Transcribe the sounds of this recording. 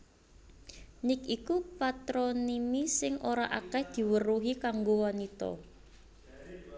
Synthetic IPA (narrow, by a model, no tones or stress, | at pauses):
nɪkikupat̪ɾɔnimisɪŋʔoɾaʔakɛhd̪̥i̤wəruɦikaŋɡowanit̪ɔ̰